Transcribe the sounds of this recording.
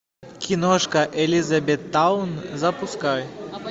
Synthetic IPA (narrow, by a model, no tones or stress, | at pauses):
kʲinɔʂkɐʔɛlʲizɐbʲɛt̪ːawnzɐpuskaj